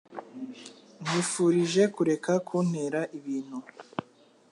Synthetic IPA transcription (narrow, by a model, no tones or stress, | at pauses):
n̥iːfuːɾiʒe̞kuɾe̞kakʰuːn̥eɾaʔiβiːn̥hu